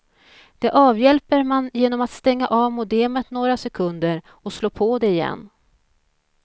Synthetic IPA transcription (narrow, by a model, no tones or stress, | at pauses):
d̪̥ɛʔɑːvjɛlpəɾmanjeːnɔmat̪st̪ɛŋːaʔɑːvmʊd̪eːmət̪noːɾasɛkʰɵnd̪əɾ | ɔsloːpʰɔd̪ɛɪjɛ̰nː